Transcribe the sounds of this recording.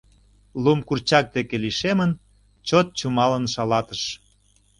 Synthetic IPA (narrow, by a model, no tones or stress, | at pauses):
lumkurt͡ɕɑk̚d̪ekeliʃemən | t͡ɕot̪̚t͡ɕumɑlənʃɑlɑt̪əʃ